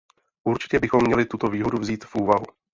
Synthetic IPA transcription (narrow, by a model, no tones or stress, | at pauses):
ʔuɾt͡ʃɪ̥cɛbɪxo̞mːɲɛlɪt̪ut̪o̞viːɦo̞duvziːt̪fʔuːvaɦu